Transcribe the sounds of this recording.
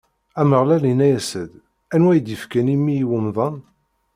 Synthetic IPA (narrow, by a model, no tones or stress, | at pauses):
æməʁlælinæjæsəd̪ | ænwæjəd̪jəfkænimiiwəmðˤɑn